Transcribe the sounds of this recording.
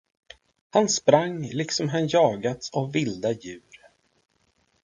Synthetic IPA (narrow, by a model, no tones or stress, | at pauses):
hanspɾaŋːlɪksɔmɦanjɑːɡat̪savːɪld̪ajʉ̟ːɾ